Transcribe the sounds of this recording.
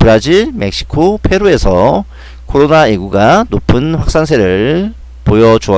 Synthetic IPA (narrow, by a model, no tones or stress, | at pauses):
pɯɾad͡ʑiɭme̞k̚ɕ͈ʰi̥kʰopʰe̞ɾoe̞sʰʌ | kʰoɾonaeɡuɡanopʰɯnɸwak̚s͈ansʰe̞ɾɯɭ | pojʌd͡ʑoʌ